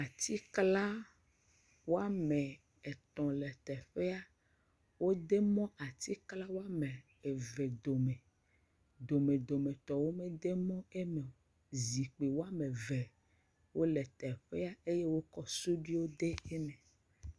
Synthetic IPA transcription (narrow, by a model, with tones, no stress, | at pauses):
a˨t̪i˦kla˦ | wo˦a˦me˨ | e˨t̪ɔ̃˨le˨t̪ɛ˨ɸe˦a˦ | wo˦d̪e˦mɔ̃˦ʔa˨t̪i˦kla˦wo˦a˦me˨ | e˨ve˨d̪o˨me˨ | d̪o˨me˨d̪o˨me˨t̪ɔ˨wo˦me˦d̪e˦mɔ̃˦e˦me˨o˨ | zi˨k͡pe˨wo˦a˦mẽ˨ve˨ | wo˦lɛ˨t̪ɛ˨ɸe˦a˦e˦je˦wo˦kɔ˦su˦ɖi˦wo˦d̪e˦e˦mẽ˨